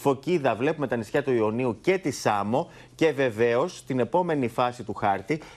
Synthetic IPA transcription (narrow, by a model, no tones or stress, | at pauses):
fo̞ciðɐvle̞pume̞t̪ɐnisçɐt̪uio̞niuce̞t̪isɐmo̞ | ce̞ve̞ve̞o̞st̪ine̞po̞me̞nifɐsit̪uxɐɾt̪i